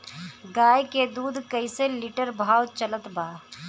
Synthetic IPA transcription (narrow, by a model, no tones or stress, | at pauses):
ɡaːjked̪uːd̪ʱkəiseliʈəɾbʱaːwt͡ʃələt̪baː